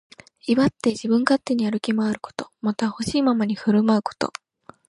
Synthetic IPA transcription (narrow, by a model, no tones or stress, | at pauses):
iβat̪ːe̞ʑibɯ̟̃ŋkat̪ːe̞ɲ̟iaɾɯ̟kʲimoaɾɯ̟̥ko̥t̪o̞̥mat̪aho̞ɕiːmamaɲ̟iɸɯ̟ɾɯ̟maɯ̟ko̞̥t̪o̞̰